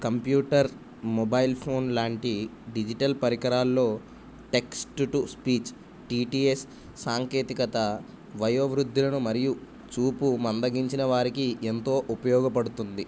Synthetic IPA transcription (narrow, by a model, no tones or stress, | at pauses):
kɐmpjuːʈɐɾ | mɔbaːjilpʰo̞ːnlaːɳʈiɖid͡ʒiʈɐlpɐɾikɐɾaːlːo̞ː | ʈe̞ksʈuʈuspiːt͡ʃ | ʈiːʈiːesː | aːŋke̞ːt̪ikɐt̪ɐ | ʋɐjoːʋɾud̪ʱːilɐnumɐɾiju | t͡ʃuːpumɐnd̪ɐɡiɲt͡ʃinɐʋaːɾikient̪o̞ːʔupɐjɔːɡɐpɐɽut̪und̪i